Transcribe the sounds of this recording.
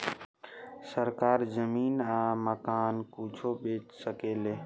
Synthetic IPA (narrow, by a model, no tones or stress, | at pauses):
səɾkaːɾzəmiːnãːməkaːnkuːt͡ʃʰoɓeːt͡ʃsəkeːleː